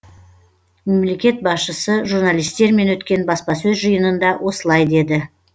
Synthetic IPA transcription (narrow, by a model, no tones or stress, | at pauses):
me̞mle̞kʲe̞t̪̚bɑsʃəsəʒurnalijst̪e̞ɾme̞nwɵt̪kʲe̞nbɑspɑsɵzʒəjənənd̪ɑwʔo̞səlˠɑjd̪e̞d̪ɪ